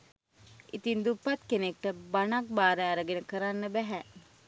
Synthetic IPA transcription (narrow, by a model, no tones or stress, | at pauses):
ʔit̪ind̪upːat̪kenek̚ʈəbanak̚baːɾeaɾəɡenəkəɾanːəbæɦæ